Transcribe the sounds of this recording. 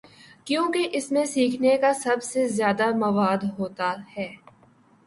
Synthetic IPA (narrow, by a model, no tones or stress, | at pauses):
kjõːkeʔɪsmẽsiːkʰnekasɐbsezjaːd̪amɐʋaːd̪ɦoːt̪ahɛː